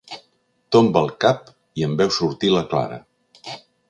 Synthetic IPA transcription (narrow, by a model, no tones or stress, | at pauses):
t̪ombəlˠkap̚ | iəmbɛwsuɾt̪iləkla̰ɾə̰